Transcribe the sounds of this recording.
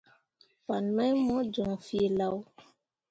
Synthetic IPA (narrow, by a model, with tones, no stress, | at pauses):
pa˨nã˦jmɔ˦d͡ʒɔ˨ŋfi˦e˨la˦w